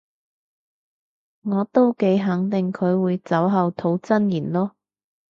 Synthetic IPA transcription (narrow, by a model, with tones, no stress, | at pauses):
ŋɔː˨˧t̪o˥wke˨˥jɦɐ˨˥ŋt̪ɪ˨ŋkʰɵ˨˧ɥwuː˨˧jt͡sɐ˨˥wɦɐ˨wt̪ʰo˨˥wt͡sɐ˥njiː˨˩nlɔː˥